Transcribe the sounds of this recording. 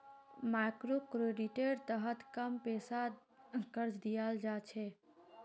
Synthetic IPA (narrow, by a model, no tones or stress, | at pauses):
makɾokɾeɖiʈeɾt̪əɦət̪kəmpesa | kəɾd͡ʒd̪ijald͡ʒat͡ʃʰɛ